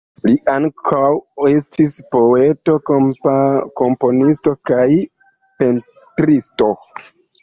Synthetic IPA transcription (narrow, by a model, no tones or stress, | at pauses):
liʔaŋkʰawestispo̞e̞to̞ | ko̞mpo̞nisto̞kaj | pe̞n | tɾisto̞